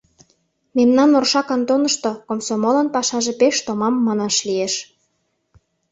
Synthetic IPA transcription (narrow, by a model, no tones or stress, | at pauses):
memnɑnorʃɑkɑnt̪onɤ̆ʃt̪okomsomolɤ̆npɑʃɑʒepeʃt̪omɑmːɑnɑʃlieʃ